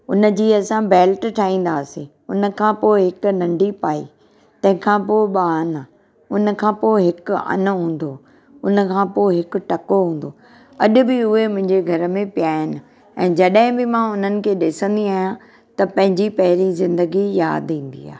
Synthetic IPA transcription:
ʊnə̆d͡ʑiːɐsãbeːlʈʈʰaːɦĩːn̆d̪aːsẽ | ʊnə̆kʰãːpoːɪɦɪkʊ̆nɐ̃ɳɖipaːḭ | t̪ɐ̃ɦɪ̃kʰãpoːɪɓaːna | ʊnə̆kʰãːpoːɪɦɪkʊɐ̰nəɦũːn̆d̪oː | ʊnə̆kʰãːpoːɪɦɪkʊ̆ʈɐkoɦũːn̆d̪oː | ɐʄʊbɪʊɦemʊ̃ɦɪ̃ɲd͡ʑeɡʱɐɾə̆mẽpijaːɦɪnɪ̆ | ɛ̃ːd͡ʑɐɗɦɪ̃bɪmãːʊn̤ənɪ̆kʰeːɗɪsə̃nd̪iaːɦijã | t̪ɐpɐ̃ɦɪ̃ɲd͡ʑipɐɦɪɾizɪ̃nd̪əɡija̰ːd̪ĩːn̆d̪ḭa̰ː

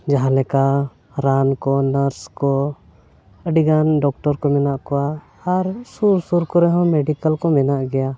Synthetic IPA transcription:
d͡ʒaɦãlɛka | ɾankɔnaɾskɔ | əɖiɡanɖɔk̚ʈɔɾkɔmɛnaʔkɔwaː | ɾsuɾsuɾkɔɾɛɦɔ̃mɛɖikəlkɔmɛnaʔɡɛja

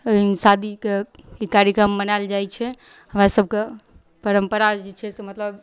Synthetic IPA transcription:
sad̪ʱikeikaɾjəkɾəmːənald͡ʒajt͡ʃʰɛ | ɦəmɾasəb̚ʱke | pəɾəmpəɾad͡ʒet͡ʃʰɛsemət̪ləb

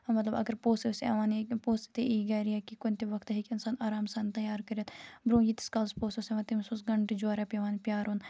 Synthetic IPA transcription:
ɐmɐt̪lɐbɐ̰ɡəɾpoːst̪isɐ̰ʋaːnepoːst̪i̥t̪eʔiːɡɐɾiakikʊnʲt̪iʋɐkt̪ɦikɪnsaːnaːɾaːmsaːnt̪ɐjaːɾkɐɾijɐt̪bɾõːjiːt̪i̥skaːlspoːsoseʋaːt̪imsusɡɐɳʈd͡ʒoːɾɛpʲɐʋaːnpjaːɾuːn

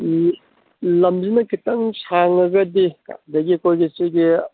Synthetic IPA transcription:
lɐmzinɐkitɐŋsʰaŋɐɡɐdia̰dɐɡikojɡisiɡi

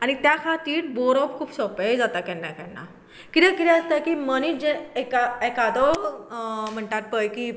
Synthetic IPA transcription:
añit̪jakʰat̪iːʈ̚bɔɾɔpkʰuːbɕɔpejd͡zat̪akɛ̃nːakɛ̃nːa̰ | kit̪ɛkit̪ɛ̃əst̪akiməniːd͡ʑɛ̃ɛkaekad̪ɔ | m̤əɳʈat̪̚pəjki

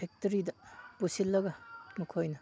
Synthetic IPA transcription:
ek̚tɐɾidɐpusilːɐɡɐmukʰojnɐ

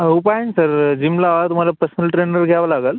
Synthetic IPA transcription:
upajənsəɾd͡ʑimlaʋat̪um̤alapəɾsənəlʈɾenəɾɡʱaʋalaɡəl

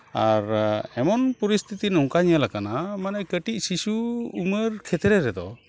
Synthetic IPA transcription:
aɾɛmɔnpɔɾist̪ʰit̪inũŋkaɲəlakanamanɛkəʈic̚sisuːməɾkʰɛt̪ɾɛɾɛd̪ɔ̰

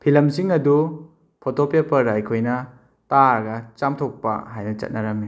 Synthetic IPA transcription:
pʰilɐmsiŋɐdu | pʰotopepɐɾajkʰojnɐ | taɾɡɐt͡ʃamtʰok̚pa̰ɦajnɐt͡ʃɐ̰t̚nɐɾɐmi

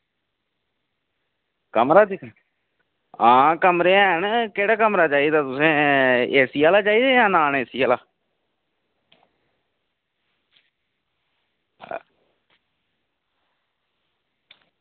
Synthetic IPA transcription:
kəmɾaːd̪ɪkʰ | ãːkəmɾeːãːɦənkeːɽaːkəmɾaːt͡ʃaːiːd̪aːt̪ʊsẽːeːsiːaːlaːt͡ʃaːiːd̪aːjãːnaːneːsiːaːlaː

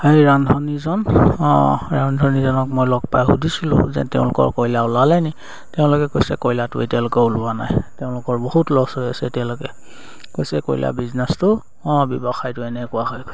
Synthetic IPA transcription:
ejɹandʱɔnizɔn | ɹandʱɔnizɔnɔkmojlɔɡ̚pajɦudʱisilʊ̰̃zɛ̰tɛ̰ʊ̃lʊkɔ̰ɹkɔjlaʊlalɛni | tɛʊ̃lʊkɛkojsɛkɔjlatʊḛtiaʊ̃lʊkɛulʊana̰jtɛʊ̃lʊkɔɹboɦutlɔɡsɔɹiasɛtaʊ̃lʊkɛ | kojsɛko̰jlʔa̰biznɛstʊ | bɔbɔxajtʊɛnɛkʊaɦɔjkos

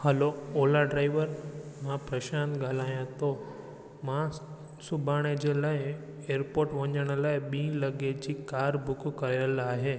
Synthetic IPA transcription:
həloolaɖɾaiʋəɾmãpɾəʃanɡʱalajãt̪o | mã | subʱaɽ̃ed͡ʒelaj | eɾpoɾʈʋə̃ɲəɽ̃lajbĩləɡed͡ʒikaɾbʱʊkkəɾelaɦe

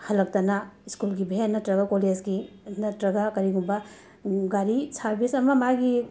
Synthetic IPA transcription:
hɐlɐk̚tɐnaiskulɡibʱenːɐtɾɐɡakoled͡ʒɡi | nɐtɾɐɡakɐɾiɡumbɐ | ɡaɾisaɾbʱisɐmɐmaɡi

